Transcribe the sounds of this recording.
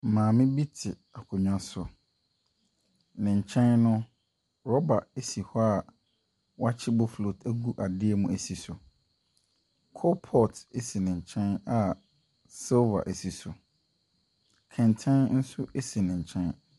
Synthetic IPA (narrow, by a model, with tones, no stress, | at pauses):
mãː˨mɪ̃˦bi˦tʰɪ˨ | a˨kʰʊ˨ɲᶣã˦sʊ˨ | nɪ̃˨ɲ̩˨t͡ɕʰɛ̃˦nnʊ̃˦ | ɾɔ˦ba˨e˦si˨hɔ˦a˨ | wa˦t͡ɕʰɪ˦bɔ˦flo˨tæ˦ɡu˦ʔa˨dɪ˦ɛ˦mũ˦æ˨si˨sʊ˨ | kʰɔ˦pʰɔ˦te˦si˨nɪ̃˨ɲ̩˨t͡ɕʰɛ̃˦na˨ | sɪ˦lva̰˨ʔe˨si˨sʊ˨ | kʰɛ̃˨ntʰɛ̃˦nn̩˦sʊ˦ʔe˦si˨nɪ̃˨ɲ̩˨t͡ɕʰɛ̃˦n